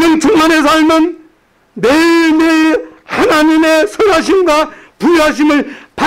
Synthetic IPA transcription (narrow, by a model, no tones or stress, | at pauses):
ʌŋt͡ɕʰuŋmanes̬ʰaɭmʌnː | emehanaɲimesʰʌɾaɕ̬ʰinɡwapuaɕ̬ʰimɯɭpa